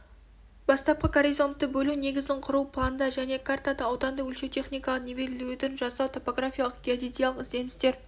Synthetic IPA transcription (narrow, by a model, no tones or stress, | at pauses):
bɑst̪ɑp̚qəkʰoɾizo̞nt̪ːəbɵlune̞ɡʲɪzd̪ɪɴqʰʊɾuwpʰlˠanəd̪ɑʒæne̞kʰart̪ad̪əɑwd̪ɑnd̪əɵlʃet̪ʰe̞χnʲijkɑlˠəqnebe̞ɾɪlud̪ɪnʒɑsɑwt̪ʰo̞po̞ɡrafʲijalˠəq̚ɡʲijad̪ʲit̪ijalˠəqɪzd̪e̞nɪst̪e̞ɾ